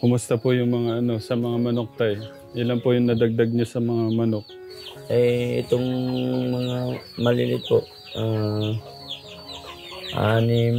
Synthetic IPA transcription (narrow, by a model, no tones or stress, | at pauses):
kʊmʊst̪ɐpʊjʊŋmɐŋaʔɐno̞sɐmɐŋamɐnok̚t̪aj | ʔɪlanpʊjʊŋnɐd̪ɐɡ̚d̪aɡ̚ɲasɐmɐŋamɐnok̚ | ʔɛjʔɪ̰t̪oŋmɐŋamɐlḭlɪt̪̚poʔ | ʔa | ʔanɪ